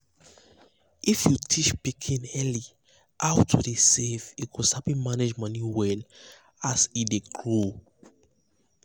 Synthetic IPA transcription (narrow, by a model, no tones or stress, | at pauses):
ʔifjutʰit͡ʃpikʰĩnɛli | ʔawtʰudesefiɡosapĩmaned͡ʒmanjuwɛl | asideɡlo